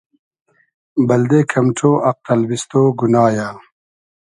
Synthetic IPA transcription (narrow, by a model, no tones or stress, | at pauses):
bɐld̪eːkʰɐmʈ͡ʂʰoːʔɐq̚t̪ɐlbist̪oːɡunaːjaː